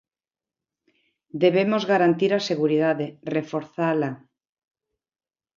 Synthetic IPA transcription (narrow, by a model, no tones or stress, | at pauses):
d̪eβemozɣaɾant̪iɾaseɣ̞uɾiðaðerefoɾθala